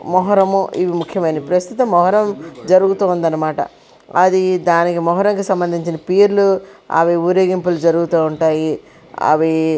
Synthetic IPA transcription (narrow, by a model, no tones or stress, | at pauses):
mɔɦɐɾɐmuːʔiʋimukʰjɐmɐjinipɾɐst̪ut̪ɐmːɔɦɐɾɐmd͡ʒɐɾuɡut̪uːund̪ɐnːɐmaːʈɐ̰ | ɐd̪id̪aːnikimɔɦɐɾɐŋkusɐmbɐnd̪ʱiɲt͡ʃinɐpiːɾluɐ̰ʋiuɾeːɡimpulud͡ʒɐɾuɡut̪uːuɳʈaːji | ɐ̰ʋi